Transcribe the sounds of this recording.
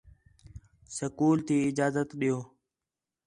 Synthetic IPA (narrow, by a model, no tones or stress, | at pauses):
səkuːlt̪ʰiːɪd͡ʒaːzət̪ɗijoː